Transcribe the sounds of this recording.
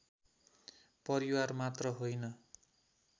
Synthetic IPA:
pʌɾiwarmat̪rʌɦojnʌ

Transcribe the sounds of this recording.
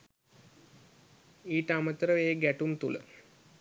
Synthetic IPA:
iːʈəamət̪əɾəʋeːəɡæʈumt̪ulə̰

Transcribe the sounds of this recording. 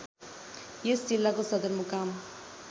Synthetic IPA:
jesd͡ʒilːakosʌd̪əɾmukam

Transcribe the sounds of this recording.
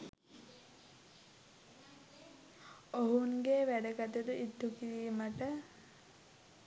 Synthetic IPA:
oɦunɡeʋæɖəɡat̪ud̪uid̪ʱːukiɾiːməʈə

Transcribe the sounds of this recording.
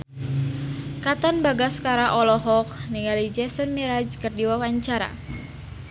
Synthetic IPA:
kat̪ɔnbaɡaskaɾaʔɔlɔɦɔk̚niŋalid͡ʒɛsənmiɾad͡ʒkərdiwawaɲt͡ʃaɾa̰

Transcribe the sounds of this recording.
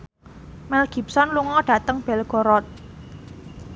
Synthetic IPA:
mɛlɡ̥i̤p̚sɔnluŋɔɖ̥a̤t̪əŋb̥ɛ̤lɡ̥ɔ̤ɾɔt̪̚

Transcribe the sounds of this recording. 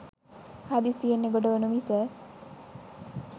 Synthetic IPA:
had̪isijenːeɡoɖəʋenumisə

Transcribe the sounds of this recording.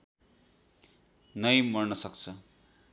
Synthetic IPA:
nʌjmʌrnʌsʌk̚t͡sʰʌ

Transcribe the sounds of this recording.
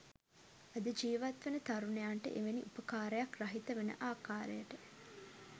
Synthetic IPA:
ɐd̪əd͡ʒiːʋɐt̪ʋenət̪ɐɾunejaːɳʈə̰ʔeʋenḭʔupəkaːɾəjɐkrɐɦit̪ɐʋenə̰ʔaːkaːɾḛjəʈə

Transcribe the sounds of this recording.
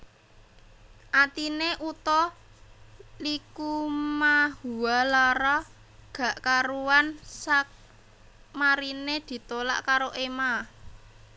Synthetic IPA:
ʔat̪ineʔut̪ɔ | likumaɦuwalaɾɔ | ɡ̥ä̤ʔkaɾuwansak̚ | maɾined̪̥i̤t̪ola̰ʔkaɾoʔema

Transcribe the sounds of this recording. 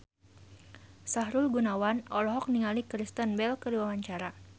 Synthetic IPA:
saɦɾulɡunawanɔlɔɦɔk̚niŋalikɾist̪ənbɛlkədiwawaɲt͡ʃaɾa

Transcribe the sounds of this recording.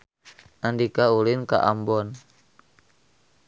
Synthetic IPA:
ʔandikaulɪnka̰ʔambɔn

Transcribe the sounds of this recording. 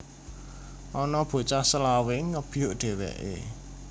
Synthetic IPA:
ʔɔnɔb̥o̤t͡ʃasəlawɪŋːəb̥ijoʔɖ̪̥e̤wɛ̰ʔḛ

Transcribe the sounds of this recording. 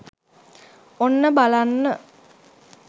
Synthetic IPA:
onːəbalanːə

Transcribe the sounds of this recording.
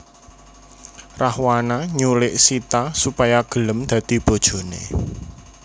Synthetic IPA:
rahwanaɲulɪʔsit̪asupajaɡ̥ə̤ləmd̪̥ä̤d̪̥i̤b̥o̤d̥ʒ̥o̤nḛ

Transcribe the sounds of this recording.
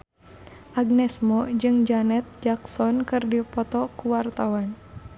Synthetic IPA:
ʔaɡ̚nɛsmɔd͡ʒɨŋd͡ʒanɛt̪̚d͡ʒaksɔnkɨrdipɔt̪ɔkuwart̪awan

